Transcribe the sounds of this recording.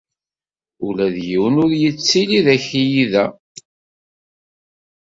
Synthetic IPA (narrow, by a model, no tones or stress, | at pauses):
ulæðjiwənʊɾjət͡sːiliðæçijiðæ